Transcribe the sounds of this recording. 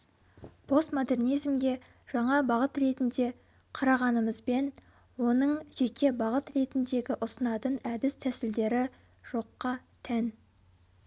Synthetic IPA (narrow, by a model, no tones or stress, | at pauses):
pʰo̞st̪mod̪e̞rnijzmɡʲe̞ | ʒ̥ɑɴɑbɑʁət̪ɾe̞t̪ɪnd̪e̞ | qʰɑɾɑʁɑnəməzbe̞n | wo̞nəɴʒ̥e̞kʲʰe̞bɑʁət̪re̞t̪ɪnd̪e̞ɡʲɪʔʊsənɑt̪ənæd̪ɪst̪ʰæsɪld̪e̞ɾɪ | ʒ̥o̞qːɑt̪ʰæn